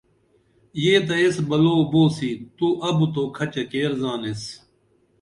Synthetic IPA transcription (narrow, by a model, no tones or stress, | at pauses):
jeːt̪ɐesbɐloːboːsit̪uʔɐbut̪oːkʰɐt͡ɕɐkeːɾzaːnes